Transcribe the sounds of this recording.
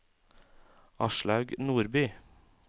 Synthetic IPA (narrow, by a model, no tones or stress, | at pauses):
ʔɑʃɭɑʉɡnuːɾbyː